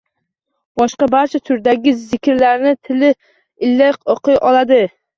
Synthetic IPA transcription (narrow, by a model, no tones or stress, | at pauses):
b̥ɒʃqɑbaɾt͡ʃʰat̪ʰʊɾd̪aɡʲɪzɪkʲɪɾlaɾnɪt̪ʰɪlɪ | ɪlːajoqɨjʔɒlˠad̪ɪ